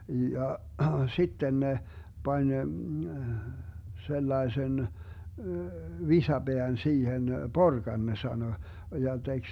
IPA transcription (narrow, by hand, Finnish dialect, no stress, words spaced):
jɑ sitːen ne pɑnʲ selːɑesen ʋisɑb̥eæn siːhen porkɑn ne sɑno jɑ tek